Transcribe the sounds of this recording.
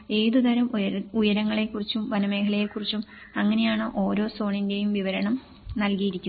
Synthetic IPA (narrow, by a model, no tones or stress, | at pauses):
e̞ːðud̪ɐɾɐmujɐɾɐŋːɐɭe̞kːurit͡ɕːumʋɐnɐme̞ːkʰɐlɐjekːurit͡ɕːum | ɐŋːɐne̞jaːɳɨʔo̞ːɾo̞ːso̞ːɳinde̞jumʋiʋɐɾɐɳɐm | nɐlkijiɾikʲːu